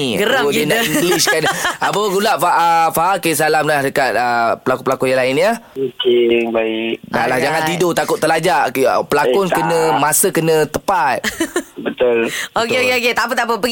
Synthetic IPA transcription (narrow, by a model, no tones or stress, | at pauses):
ɡəɾaodinaʔinduliskanabawəɡulaʔfaʔəfaʔakes̬alamlahdəkat̪̚əpəlakupəlakɔjalaɪnjəmikiŋbaɪkda̰lahd͡ʒaŋãnt̪idʊt̪akʊt̪ːəlad͡ʒaʔəpəlakɔnkənə̃masəkənə̃t̪əpat̪̚bət̪ʊlokeokeoket̪ap̬ət̪ap̬əpəɡ